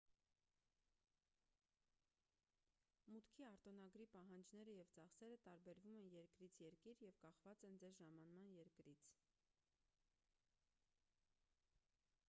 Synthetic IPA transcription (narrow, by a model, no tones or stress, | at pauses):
mut̪kʰiɑɾt̪ɔn̪ɑɡɾipɑɦɑnd͡ʒnɛɾəjɛvt͡sɑχsɛɾət̪ɑɾbɛɾvumɛnjɛɾkɾit͡sʰjɛɾkiɾjɛvkɑχvɑt͡sɛnd͡zɛɾʒɑmɑnmɑnjɛɾkɾit͡sʰ